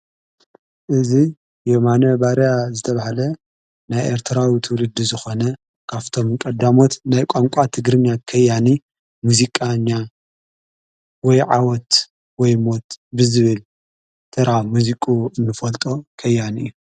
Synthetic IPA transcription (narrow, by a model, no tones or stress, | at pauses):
ʔɨzi | jemanɐbaɾjazɨt̪ʰɐβahalɐ | najʔeɾt̪ʰɨɾawit̪ʰɨwlɨd̪ːizɨxo̞nɐ | kʰaβt̪ʰo̞mkʼɐd̪amo̞t̪najkʷʼaŋkʷʼat̪ʰɨɡɾɨɲːakʰɐjːani | muzikʼaɲːa | wɔjʕa̰wɔt̪ | wɔjmo̞t̪bɨzɨβɨl | t̪ʰɨɾamuzikʼuɨnːɨfɐlt̪ʼo̞kʰɐjːanɨ̰jːu